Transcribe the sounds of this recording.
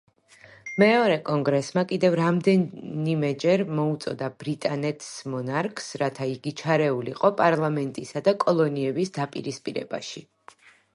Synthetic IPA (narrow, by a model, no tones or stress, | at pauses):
mɛɔɾɛkʼɔŋɡɾɛsmakʼid̪ɛvɾamd̪ɛnimɛd͡ʒɛɾmɔut̪sʼɔ̰d̪ab̥ɾit̪ʼanɛt̪ʰsmɔnaɾkʰsɾat̪ʰaiɡit͡ʃʰaɾɛulḭqʼɔpʼaɾlˠamɛnt̪ʼisad̪akʼɔlˠɔniɛbisd̪apʼḭɾispʼḭɾɛ̰ba̰ʃi